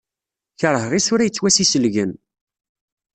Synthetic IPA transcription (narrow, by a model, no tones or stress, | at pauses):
çəɾˤɦʁisʊɾæjət͡sːwæsisəlʝən